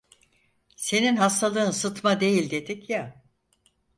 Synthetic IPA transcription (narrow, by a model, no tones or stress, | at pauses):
se̞ninɦast̪ʰalˠɯːnsɯt̪mad̪e̞jilʲd̪e̞d̪ikja